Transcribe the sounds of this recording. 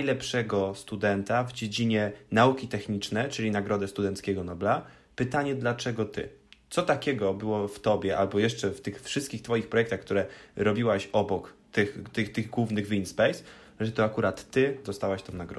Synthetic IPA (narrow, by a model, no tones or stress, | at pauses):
ajlɛpʂɛɡɔst̪ud̪ɛnt̪avd͡ʑed͡ʑiɲɛnaukʲit̪ɛxɲit͡ʂnɛt͡ʂɘlʲinaɡɾɔd̪ɛst̪ud̪ɛnt̪skʲɛɡɔnɔbla | pɘt̪aɲɛd̪lat͡ʂɛɡɔt̪ʰɘ̰t̪sɔt̪akʲɛɡɔbɘwɔft̪ɔbʲjɛʔalbɔjɛʂt͡ʂɛft̪ɘxfʂɘst̪kʲixt̪fɔjixpɾɔjɛkt̪axkt̪uɾɛɾɔbʲiwaɕɔbɔkt̪ɘxt̪ɘxt̪ɘɣɡwuvnɘɣvinspɛjs | ʐɛt̪ɔakuɾat̪ːɘd̪ɔst̪awaɕt̪ɔ̃w̃naɡɾɔ̰